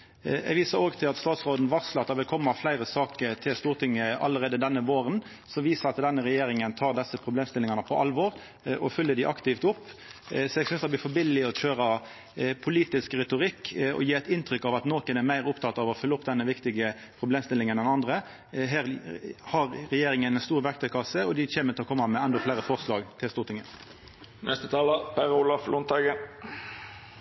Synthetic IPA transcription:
ɛ̰ɡʋiːsəɾoːɡt̪ʰɪlɑt̪st̪ɑːt̪sʁoːd̪n̩ʋɑʁsləɑt̪d̪ɑʁʋɪlkʰɔmːɑflæɪɾəsɑːkəɾt̪ʰɪlst̪uːɾt̪ʰɪŋːəɑ̰lːəɾʁeːd̪əd̪ɛnːəʋoːɾən | sɔʋiːsəɾɑt̪d̪ɛnːəʁɛjeːɾɪŋənt̪ʰɑːʁd̪ɛsːəpʰɾʊbleːmst̪ɪlɪŋɑnəpʰɔʔɑlʋɔːɾ | ʔɔfʏlːəɖ̪ɪʔɑkt̪ɪft̪ʊpːsɔɛːɡsʏnsd̪ɛblɪfɔbɪlːɪɔçøːɾɑ | pʰʊliːt̪ɪskɾɛt̪ʊɾɪkːɔ̰jiːæt̪ɪnt̪ɾʏkːɑʋɑt̪noːkənɛɾmæɪʁʊpt̪ʰɑt̪ːɑʋɔfʏlːəʊpːd̪ɛnːəʋɪkt̪ɪɡə | pʰʁʊbleːmst̪ɪlːɪŋənɛnɑnd̪ʁə | ɦæːɾhɑɾɾɛjeːɾɪŋənɛnst̪uːɾʋæɾkt̪ʰɛkʰɑsəɔd̪ɪçeːməɾt̪ɪlɔkʰɔmːɑmɛɛnd̪ɔflæɪɾəfɔʁslɑːɡt̪ʰɪlst̪uːʁt̪ʰɪŋːə | nɛst̪ət̪ʰɑːləpʰæɾulɑflʊnt̪ʰɑɡə

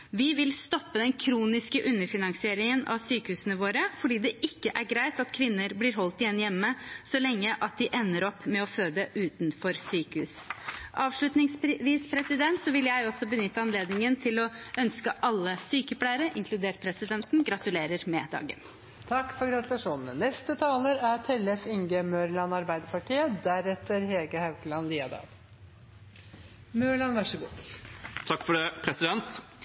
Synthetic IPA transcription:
ʋɪʋɪlst̪ɔpːəd̪ɛnkʰɾuːnɪskəʔʉnːəɾfɪnɑŋsɪeːɾɪŋənɑ̰ʋsyːkəhʉːsənəʋoːɾəfɔɖiːd̪ɛʔɪkːəʔæɾɡɾæɪt̪ɑt̪kʰʋɪnːəɾblɪɾɦɔlt̪ɪjɛnːjɛmːəsɔlɛŋːəʔɑt̪̚d̪ɪʔɛʋnːəɾɔpːmɛɔføːd̪əʔʉːt̪nfɔɾsyːkəhʉ̰ːs | ʔɑːʋʂɭʉt̪nɪŋsʋiːspʰɾɛsɪd̪ɛnt̪sɔʋɪljæɪɔsɔbənʏt̪ːəɑnleːd̪nɪŋənt̪ʰɪlɔʔœnskəʔɑlːəsyːkəplæɪəɾəʔɪŋkʰlʉd̪eːʈ̚pʰɾɛsɪd̪ɛnt̪nɡɾɑt̪ʉleːɾəɾmɛd̪ɑ̰ːɡə̰n | t̪ʰɑkːfɔɾɡɾɑt̪lɑʂuːnənənɛst̪ət̪ʰɑːləɾæɾt̪ʰɛlɛfɪŋɡəmøːɾlɑnɑɾbæɪd̪əɾpʰɑʈʰiːəd̪æɾɛt̪ːəɾheːɡəhɑʉkəlɑnliːɑd̪ɑ̰ːɡ̪ | møːɭɑnʋæʂəɡṵːt̪ʰɑkːfɔɖɛpʰɾɛsɪd̪ɛnt̪

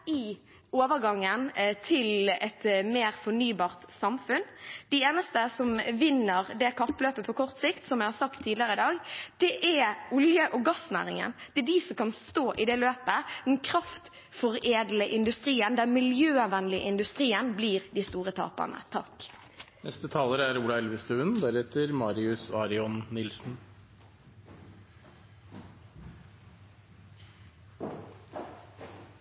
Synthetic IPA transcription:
ɪ | oːʋəɾɡɑŋːənt̪ʰɪlɛt̪meːɾfɔnyːbɑːʁt̪sɑmfʉnd̪̥ɪeːnəst̪əsɔmʋɪnːəɾd̪ɛkʰɑp̪løːpəpʰɔkʰɔʁt̪sɪkt̪sɔmjæɪhɑɾsɑkt̪ʰːiːlɪəʁəɪd̪ɑːɡd̪̥ɛʔæʊljəʔɔɡɑsnæ̰ːʁɪŋə̰nd̪̥ɛɛd̪ɪsɔmkʰɑnst̪oːʔɪd̪ɛløːpəd̪ɛnkʰɾɑft̪ | fɔʁeːd̪ləʔɪnd̪ʉst̪ʁiːənd̪æmɪljøːɑʋɛnlɪə̰ʔɪnd̪ʉst̪ʁiːənbliːʁd̪ist̪uːʁət̪ʰɑ̰ːpə̰ʁnə̰t̪ʰɑ̰k | nɛst̪ət̪ʰɑːləɾæɾuːlɑɛlʋɪst̪øːʋənd̪æɾɛt̪ʰəɾmɑːɾɪʉsɑɾɪɔnnɪlsn

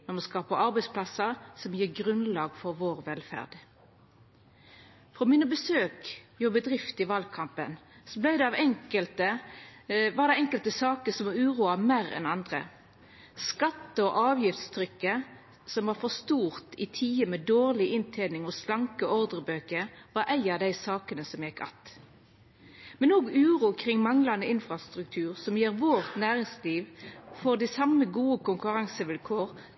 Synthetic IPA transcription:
nɔmɑnskɑːpəɑɾbɛɪspʰlɑsəʁsɔmjiːɡʁʉnlɑːɡfɔɾʋoːʁʋɛlfæ̰ʁd̪̥ | fʁɔmɪnəbəsøːkjʉːbəd̪ʁɪft̪ɪʋɑlkʰɑmpənsɔblæɪd̪ɛɑʋɛŋkəlt̪ə | ʋɑd̪ɛɛŋkəlt̪əsɑːkəsɔmɑʉːʁuːɑmæːɾɛ̰nɑnd̪ʁə̰ | skɑt̪ːəɔʔɑːʋjɪft̪st̪ʰɾʏkːə | sɔmʋɑːʁfɔst̪uːʁt̪ɪt̪ʰiːəmɛd̪oːʁlɪʔɪnt̪ʰeːnɪŋɔslɑŋkəɔʁd̪ʁəbøːkəʋɑɾʔæɪɑʋd̪æɪsɑːkənəsɔmjɛkːɑ̰t̪ | mɛnoːɡʉːʁuːkʰʁɪŋmɑŋlɑnəɪnfʁɑst̪ɾʉk̚t̪ʰʉːʁsɔmjeːʁʋoːʁt̪næːʁɪŋsliːʋfɔʁd̪ɪsɑməɡuːəkʰʊŋkʉɾɑŋsəʋɪlkʰoːʁ

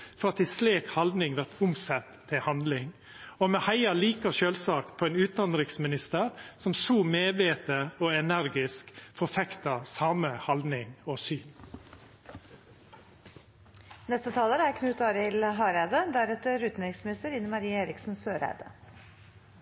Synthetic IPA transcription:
fɔɾɑt̪ɪsleːkhɑld̪nɪŋʋæɾt̪ʊmsɛt̪ʰːɪhɑnd̪lɪŋ | ɔmɛhæɪɑliːkəʃøːlsɑːkt̪pʰoːeːnʉːt̪nɑnɾɪŋsmɪnɪst̪əɾsɔmsuːmeːʋeːt̪əoːɛnæɾɡɪskfɔfɛkt̪ɑsɑːməhɑld̪nɪŋɔsyːn | nɛst̪ət̪ʰɑːləɾəæɾkʰnʉːt̪ɑːɾəɪlɦɑːɾæɪd̪əd̪æɾɛt̪əɾʉːt̪n̩ɾɪŋsmɪnɪst̪əɾɪnːəmɑɾiːəeːɾɪksn̩søːɾæ̰ɪd̪ə̰

